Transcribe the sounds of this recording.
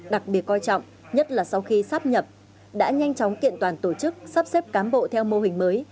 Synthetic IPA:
ɗa˨˩k̚ɓi˨˩ət̚kɔ˧jt͡ɕɔ̰˧˨wŋ͡m | ɲə˦˥t̚laː˨˩sa˧wxi˧saː˦˥p̚ɲə˨˩p̚ | ɗa̰ː˧˥ɲa˧jŋ̟t͡ɕɔ˨˦wŋ͡mkḭ˧˨ənt̪waː˨˩nt̪o˧˩t͡ɕɨ˦˥k̚saː˦˥p̚se˦˥p̚kaː˨˦nɓo̰˧˨t̪ʰɛ˧wmo˧ɦï˨˩ŋ̟məː˨˦j

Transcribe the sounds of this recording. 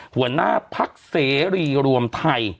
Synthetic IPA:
hu˩˦əna̰ː˥˩pʰa˦˥k̚seː˩˦ɾiː˧ɾu˧əmt̪ʰa˧j

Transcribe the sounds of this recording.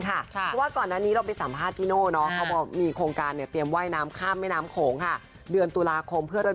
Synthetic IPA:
kʰa˥˩pʰːwaː˥˩kɔː˨˩nːaː˥˩niː˦˥ɾa˧wpa˧jsa˨˩˦mpʰaː˥˩t̪ʰːiː˥noː˥˩nɔ˦˥kʰa˦˥wbɔː˧˩miː˧kʰoː˧ŋkaː˧nːi˥˩ɐt̪i˧əmwaː˥˩jnaː˦˥mkʰaː˥˩mːa˥˩jnaː˦˥mkʰoː˩˦ŋkʰa˥˩ | dɯ˧ənt̪u˧laː˧kʰo˧mpʰɯ˥˩əɾa˧

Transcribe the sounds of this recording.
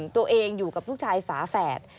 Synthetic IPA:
t̪u˧əʔeː˧ŋjuː˨˩ka˨˩p̚lu˦˥˩t͡ɕʰaː˧jfaː˩˦fɛː˨˩t̪̚

